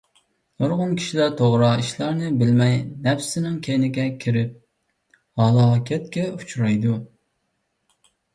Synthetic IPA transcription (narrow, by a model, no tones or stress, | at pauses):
noɾʁʊnkʲʰi̥ʃilæɾt̪ʰoʁɾɑiʃlˠɑɾnɨbɪlmɛjnɛpsɪnɪŋkʲʰejnɪɡʲɛkʲʰiɾɪp̚ | hɑlˠɑːkʲʰɛt̪̚kʲɛu̥t͡ʃʰuɾɑjd̪u